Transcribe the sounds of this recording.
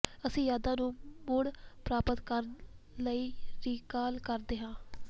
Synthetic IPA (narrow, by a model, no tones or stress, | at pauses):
əsĩːjaːd̪ãːnũːmoːɽpɾaːpət̪kəɾ | ləiːɾiːkaːlkəɾd̪eːɦãː